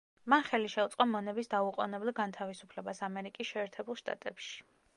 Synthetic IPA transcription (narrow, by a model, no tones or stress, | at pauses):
manχɛliʃɛut̪sʼqʼɔmɔnɛbisd̪auqʼɔ̰nɛbɛlˠɡant̪ʰavisupʰlɛbasamɛɾikʼisʃɛːɾt̪ʰɛbulˠʃt̪ʼa̰t̪ʼɛpʃi̥